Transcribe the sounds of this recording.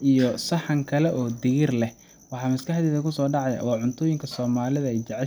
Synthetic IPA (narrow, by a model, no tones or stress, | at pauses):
ʔijɔsɑħɑŋkʰɐlɛʔɔːd̪ɪɣɪrlɛh | wɑħɑːmɪskʰɐħd̪ɛːðɐkʰʊsɔːɖɑʕɑja̰wɑːʕʊnt̪ʰʊːjɪŋkʰɐsɔːmaːlɪðɐɛjt͡ʃɑʕɛ